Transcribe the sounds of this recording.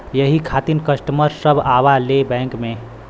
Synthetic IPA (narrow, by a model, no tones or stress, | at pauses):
jəɦikʰaːt̪inkəsʈəməɾsəbʱaːʋalebɛ̃ːŋkmẽ